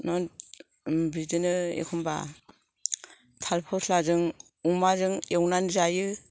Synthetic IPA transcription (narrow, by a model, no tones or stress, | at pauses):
nɔn | bidɯnɯḛkʰɔmba̰ | tʰalpʰɔslazɯŋ | uŋmazɯŋewnanzajɯ